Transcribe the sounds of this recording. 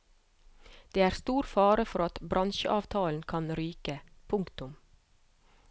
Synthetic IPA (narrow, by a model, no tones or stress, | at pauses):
d̪̥eːæːɾst̪uːɾfɑːɾəfɔɾɑt̪bɾɑnʃəʔɑːʋt̪ʰɑːln̩kʰɑnɾyːkəpʰʊŋkt̪ʊm